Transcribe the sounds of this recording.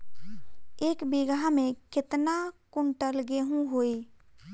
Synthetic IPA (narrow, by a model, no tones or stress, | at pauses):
eːkbɪɡamẽkɪt̪nakʊɳʈəlɡeɦũɦoːi